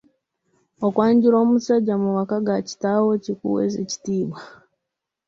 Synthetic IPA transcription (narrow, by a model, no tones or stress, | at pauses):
okwaːɲɟiɾomusaɟamuwakaɡaci̥tawocikṵwḛzeci̥tiːbwa